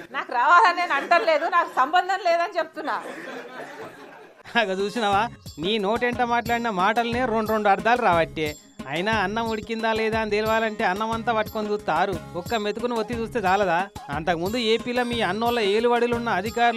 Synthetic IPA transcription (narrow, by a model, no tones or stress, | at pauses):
naːkuɾaːʋaːlɐnːeːnɐɳʈɐnle̞ːd̪unaːku̥sɐmbɐnd̪ʱɐnleːd̪ɐnit͡ʃep̚t̪unːaː | ɐɡɐt͡ʃuːsinɐʋaːniːno̞ːʈeɳʈɐmaːʈ̬laːɽinɐmaːʈɐlune̞ːɾo̞ɳɖɾoɳɖuɐɾd̪aːluɾaːʋɐʈːeː | ɐ̰jinaɐnːɐmuɽikind̪aːlɛːd̪aːnd̪eːlʋaːlɐɳʈe̞ːɐnːɐmɐnt̪ɐʋɐʈkond̪ut̪aːɾuɔkːɐmet̪ukuniʋot̪ːit͡ʃuːst̪eːd̪aːlɐd̪aːɐnt̪ɐkɐmund̪ue̞ːpiːlo̞ːmiːɐnːoːlːɐe̞ːluʋɐɽilunːɐːd̪ʱikaːɾu